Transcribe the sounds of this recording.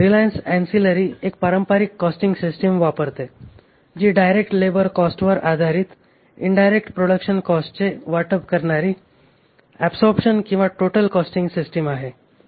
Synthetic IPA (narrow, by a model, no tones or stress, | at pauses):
ɾilajənsɛ̃nsiləɾiek̚paɾəmpaɾikːɔsʈiŋɡsisʈəmʋapəɾt̪e | d͡ʑiːɖajɾek̚ʈlebəɾkɔsʈʋəɾad̪ʱaɾit̪ | ḭɳɖajɾek̚ʈpɾoɽəkʃənkɔsʈt͡seʋaʈəpkəɾɳaɾiː | ɛbsɔɾbʂənkĩw̃ʋaʈoʈəlkɔsʈĩŋɡsisʈəmaɦe